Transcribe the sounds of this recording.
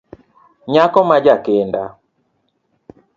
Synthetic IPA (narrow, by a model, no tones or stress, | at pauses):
ɲakɔmad͡ʒakenda